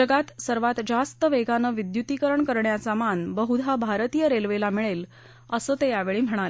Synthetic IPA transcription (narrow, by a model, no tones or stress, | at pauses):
əɡat̪səɾʋat̪d͡zast̪əʋeɡanəʋid̪jut̪ikəɾəɳkəɾɳjasamanbəɦud̪ʱabʱaɾt̪ijəɾelʋelamiɭel | əsəːt̪ejaʋeɭiːm̤əɽ̃ale